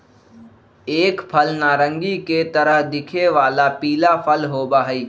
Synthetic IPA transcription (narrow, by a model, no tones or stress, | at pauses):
eːkpʰəlnaːɾə̃ŋɡiket̪əɾəɦd̪ɪkʰeʋaːlapiːlapʰəlɦoːbaːɦiː